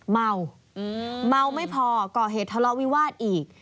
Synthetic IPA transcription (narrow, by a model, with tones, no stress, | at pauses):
ma˧w | ma˧wma˥˩jpʰɔː˧kɔː˨˩ɦeː˨˩t̪ʰːa˧lɔ˧˦˥wi˦˥waː˥˩t̪̚ʔiː˨˩k̚